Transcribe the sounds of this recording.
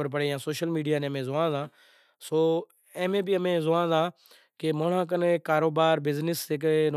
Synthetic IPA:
əɾp̬əɽeːãːsoːʃəlmiːɖijaːnẽːəmẽːzʊʋãːzãː | soː | ẽːmẽːbiːəmẽːzʊʋãːzãː | kemoːɳãːk̬ənkaːɾoːbaːɾbɪznɪsɪk̬n

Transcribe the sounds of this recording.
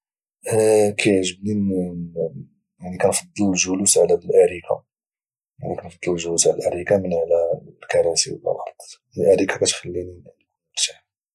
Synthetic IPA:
kʰæjʕʒəbnin | jaʕnikænfɑd̪ˤːəllʒʊlusʕlælʔæɾikʰa̰ | jaʕnikænfɑd̪ˤːəllʒʊlusʕlælʔæɾikamənʕlælkɑɾˤɑsḭw̰lːɑ̰lɑ̰ɾˤd̪ˤ | əʔæɾikakæt̪xəlːini | ɾt̪ḁħ

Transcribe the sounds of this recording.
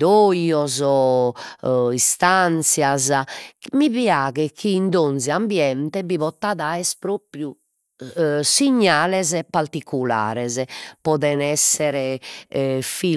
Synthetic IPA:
d̪ojɔzɔ | ist̪ant̪sjazamiβjaːɣɛkʰiːnd̪onziambjɛnt̪ɛbiβɔt̪ːaðaɛspɾoːpɾju | siɲːaːlɛzɛpaɾt̪ikula̰ːɾɛzɛpɔðɛnɛsːɛɾɛ | fi

